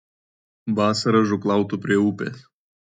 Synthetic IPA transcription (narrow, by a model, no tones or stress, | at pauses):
ʋɑːsɐɾɐʒʊklˠɑˑʊt̪ʊpʲɾʲiɛuːpʲḛːs